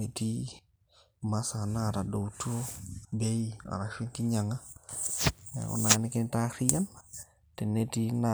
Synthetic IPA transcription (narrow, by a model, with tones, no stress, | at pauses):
e˨ti˦ | ma˦sa˨na˦˨ɾa˨do˨tu˦o˦be˦i˦a̰˨ɾa˨ʃi˦nki˦ɲa˨ŋa˦˨ | ṵ˦na˨nɪ˦kɪ˦n˦ta˦ɾi˦ja˦n | tɛ˨ne˦ti˦na